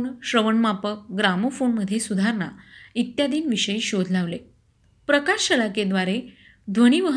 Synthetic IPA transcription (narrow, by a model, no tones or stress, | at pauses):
nɕɾəʋəɳmapək̚ɡɾamofoɳməd̪ʱjesud̪ʱaɾna̰it̪jad̪iːnʋiɕəiːɕod̪ʱlaʋle | pɾəkaɕɕəlaked̪ʋaɾe | d̪ʱʋəɽ̃iːʋəɦ